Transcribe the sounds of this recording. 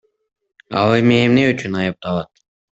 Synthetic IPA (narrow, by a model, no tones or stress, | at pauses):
ɑ̰lˠɯmeːmneyt͡ʃynɑjɯp̚t̪ɑlˠɑt̪